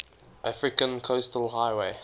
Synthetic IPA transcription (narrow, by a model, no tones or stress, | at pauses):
ʔafɹɪkə̃nkʰoʊstəlɦaɪweɪ